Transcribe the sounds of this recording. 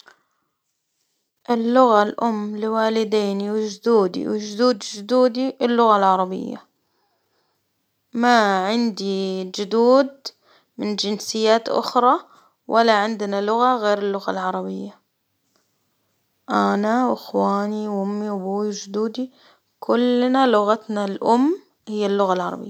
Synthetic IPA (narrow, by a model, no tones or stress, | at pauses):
ʔɪlːʊɣalʔʊmːlɪwaːlɪd̪eːniwɪd͡ʒʊd̪uːd̪ḭwɪd͡ʒʊd̪uːd̪d͡ʒʊd̪uːd̪iɪlːʊɣalʕɑɾˤɑbɪ̰jːa̰ | maʕɪnd̪id͡ʒʊd̪uːd̪ | mɪnd͡ʒɪnsɪjːaːt̪ʔʊ̰xɾˤɑ | wʔalːaʕɪnd̪nalʊɣaɣeːɾɪlːʊɣa̰lʕɑɾˤɑbɪjːa | ʔanawɪxwaːniwʔʊmːibuːwiwd͡ʒʊd̪uːd̪i | kʰʊlːnalʊɣat̪nalʔʊmː | hɪjːalːʊɣalʕɑɾˤɑ̰bɪ̰jːa